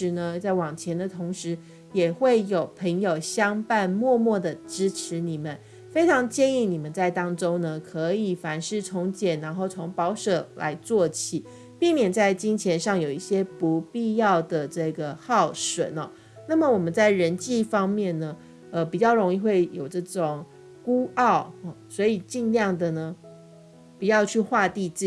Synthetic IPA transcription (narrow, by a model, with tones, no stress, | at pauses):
ʂɻ̩˧˥nə˧t͡sa˥˩ɪwɑ˨˩ŋt͡ɕʰjɛ˧˥nd̪ə˧t̪ʰʊ˧˥ŋʂɻ̩˧˥ | jɛ˨˩xwe˥˩ɪjo˨˩ʊpʰə˧˥ŋjo˨˩ʊɕjɑ˥ŋpa˥˧nmwɔ˥˧mwɔ˥˩d̪ə˩ʈ͡ʂɻ̩˥ʈ͡ʂʰɻ̩˧˥ni˨˩mə˦n | fe˥ɪʈ͡ʂʰɑ˧˥ŋt͡ɕjɛ˥˧ni˥˩ni˨˩mə˦nt͡sa˥˩ɪt̪ɑ˥ŋʈ͡ʂo˥ŋnə˨kʰɤ˧˦i˨˩fa˧˥nʂɻ̩˥˩t͡sʰo˧˥ŋt͡ɕjɛ˨˩nna˧˥nxo˥˩ʊt͡sʰo˧˥ŋpɑ˧˥ʊʂɤ˨˩la̰˧˥ɪt͡swɔ˥˩t͡ɕʰi˨˩ | pi˥˩ŋmjɛ˨˩nt͡sa˥˩ɪt͡ɕi˥nt͡ɕʰjɛ˧˥nʂɑ˥˩ŋjo˨˩ʊi˥˩ɕjɛ˥pu˧˥pi˥˧jɑ˥˩ʊd̪ə˩ʈ͡ʂɤ˥˩ɡə˩xɑ˥˩ʊʂwə̰˨˩˦nɔ˨˦ | na˥˩mə˨˩wɔ˨˩mə˦nt͡sa˥˩ɪɻə˧˦˥nt͡ɕi˥˧fɑ˥ŋmjɛ˥˩nnə˩ | ə˧pi˨˩t͡ɕjɑ˥˩ʊɻo˧˥ŋi˥˧xwe˥˩ɪjo˨˩ʊʈ͡ʂɤ˥˩ʈ͡ʂʊ˨˩ŋ | ku˥ɑ˥˩ʊ˨˩swɔ˧˥i˨˩t͡ɕi˥˧nljɑ˥˩ŋd̪ə˨˩nə˩ | pi˨˩jɑ˥˧ʊt͡ɕʰy˥˧xwa˥˧t̪i˥˧ʈ͡ʂ̩˥˨